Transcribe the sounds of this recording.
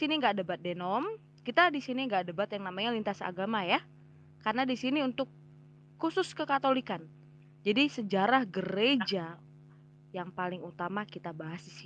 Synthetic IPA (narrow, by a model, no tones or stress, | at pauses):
siniŋɡaʔdəbat̪̚denɔm | kit̪adisiniŋɡaʔdəbat̪jaŋnamaɲalint̪asa̰ɡamaja | karənadisiniunt̪ʊkː | usʊskəkat̪olikan | d͡ʒadisəd͡ʒaɾahɡəɾed͡ʒa | jaŋpalɪŋut̪amakit̪abaɦasis